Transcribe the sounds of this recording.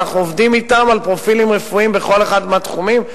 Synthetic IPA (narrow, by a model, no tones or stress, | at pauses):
aχnuovd̪imit̪amalpʁo̞filimʁefuimbeχo̞leχad̪meat̪χumim